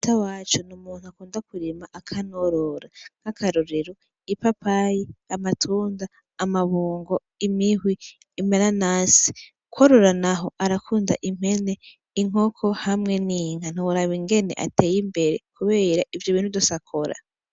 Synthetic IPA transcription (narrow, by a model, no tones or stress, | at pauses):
tawat͡ʃunumuːn̥huakuːndakuɾimaʔakʰanoɾoɾakakʰaɾoɾeɾo | ipapajiamatʰuːndaː | maβuːŋɡo̞ | imiɦwiː | m̥enanaːsi̥ | kwoɾoɾanaɦo̞ʔaɾakʰuːnda̰ʔim̥he̞ne | iŋ̥o̞kʰohamŋe̞niŋan̥uwuɾaβiŋɡe̞ne̞̰ʔa̰teːjimbe̞ɾekʰuβe̞ːɾaʔivjoβiːn̥hudosakʰoɾa̰